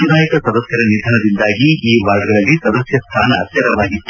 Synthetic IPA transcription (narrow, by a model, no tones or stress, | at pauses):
ud̪ʱaːjikɐsɐd̪ɐsjɐɾɐnid̪ʱɐɳɐd̪ind̪aːɡiiːʋaːɡɐɡɐɭɐlːisɐd̪ɐsjɐst̪ʰaːnɐːt̪jɐɾɐʋaːɡi